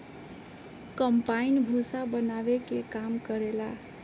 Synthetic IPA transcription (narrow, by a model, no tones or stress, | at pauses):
kʌmpainbʱusabʌnabekekamkʌɾela